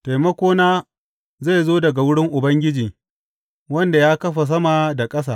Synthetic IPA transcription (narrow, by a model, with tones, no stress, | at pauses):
ta˨jmɐ˦kʷoː˦naː˦ | za˦˨jzoː˦dɐ˨ɡa˨wʊ˦ɽɪ˦ŋʔʊ˨bɐ˦ŋɡʲɪ˦d͡ʒiː˨ | wɐ˦nda˨jaː˦kɐ˦ɸa˨s̬ɐ˦ma˨da˨kʼɐ˦s̬aː˨